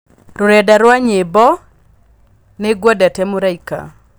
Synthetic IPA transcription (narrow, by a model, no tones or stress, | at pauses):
ɾoɾɛdaɾwaɲebɔ | neɡwadatɛmoɾaika̰